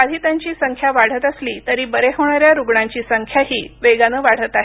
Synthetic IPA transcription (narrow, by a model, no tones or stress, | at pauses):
ad̪ʱiːt̪aɲt͡ɕiːsəŋkʰjaʋaɽ̤ət̪əsliːt̪əɾiːbəɾeɦoɳ̃aɾjaɾuɡɳaɲt͡ɕiːsəŋkʰjaɦiːʋeɡanəːʋaɽ̤ət̪aɦe